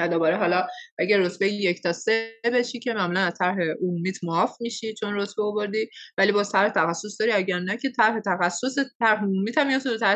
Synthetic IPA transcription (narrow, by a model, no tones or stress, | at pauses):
væd̪obɒːɾeɦɒːlɒʔæɟæɾrːot̪ʰbejjecʰt̪ʰɒse̞be̞ʃiːcʰe̞mæmuːlænæzt̪ʰæɾɦe̞omumiːt̪ʰmoɒːfmiːʃit͡ʃʰo̞nrot̪ʰbeovo̞ɾd̪iːvæliːbɒːzt̪ʰæɾhet̪ʰæxæsːo̞sd̪ɒːɾiæɟæɾnæcʰe̞t̪ʰæɾhe̞t̪ʰæxæsːoset̪ʰæɾɦeomuːmiːt̪ʰæmːiɒt̪ʰod̪ot̪ʰæ